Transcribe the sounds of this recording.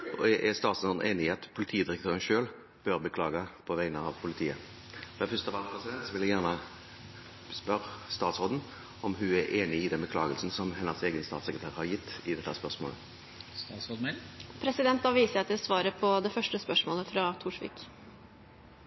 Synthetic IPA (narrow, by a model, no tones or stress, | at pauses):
ɔ̰ɛʔɛst̪ɑːt̪soːd̪n̩ʔeːnɪɪɑt̪pʰʊlɪt̪ʰiːəd̪ɪɾəkt̪ʰøːɾənʃøːl | b̥œʁbəkʰlɑːɡɑpʰɔʋæɪnəɑʋpʰʊlɪt̪ʰiːə | fɔɛfʏst̪əʋɑlpʰʁɛsɪd̪ɛnt̪sɔʋɪljæjæʁnə | spœʁst̪ɑːt̪sʁoːd̪n̩ | ɔmɦʉæɾʔeːnɪɪd̪ɛnbəkʰlɑːɡəlsn̩sɔmɦɛnːəseːɡənst̪ɑ̰ːt̪sɛkɾət̪ʰæːʁhɑɾjɪt̪ʰːɪd̪ɛt̪ːəæspœʁsmo̰ːlə̰ | sopʰɾɛsɪd̪ɛnt̪̚d̪ɑʋiːsəɛt̪ɪlsʋɑːɾəpʰɔd̪ɛfœʂʈəspœʂmoːləfɾɑːt̪ʰuːʂʋɪ̰ːk